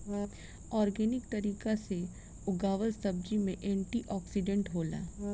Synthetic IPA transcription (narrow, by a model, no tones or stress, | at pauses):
ɔːɾɡɛːnɪk̚t̪ɐɾiːkase | ʊɡaːʋəɾsɐb̚d͡ʒimẽʔɛ̃ːɳʈiʔɔːksɪɖẽɳʈɦoːla̰ː